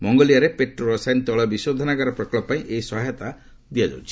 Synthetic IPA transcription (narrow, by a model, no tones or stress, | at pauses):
mɔŋɡɔlijaɾepeʈɾɔɾɔsajnt̪ɔɭɔbisod̪ʱɔnaɡaɾɔpɾɔklɔpːaĩʔeisɔɦjɔt̪a | d̪iad͡ʒa̰wt͡ʃʰi̥